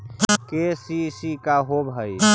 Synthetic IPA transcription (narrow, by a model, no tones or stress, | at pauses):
kesisikaɦobʱɦəj